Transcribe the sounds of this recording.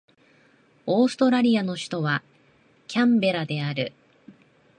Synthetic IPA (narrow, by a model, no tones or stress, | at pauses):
o̞ːsɨ̥t̪o̞ɾaɾʲiano̞ɕi̥t̪o̞βa | kʲãmbe̞ɾad̪e̞aɾɯ̟